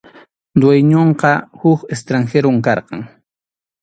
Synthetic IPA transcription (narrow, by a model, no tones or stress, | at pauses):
d̪wejɲoɴqɑhʊkes̬t̪ɾaŋxeɾoŋkɑɾqɑ̰ŋ